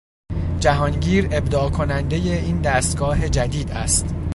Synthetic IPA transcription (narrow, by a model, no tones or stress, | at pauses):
d͡ʒæɦɒːnɟiːɾe̞bd̪ɒːkʰo̞nænd̪e̞je̞iːnd̪æːst̪ɡɒːɦe̞d͡ʒæd̪iːd̪æ̰st̪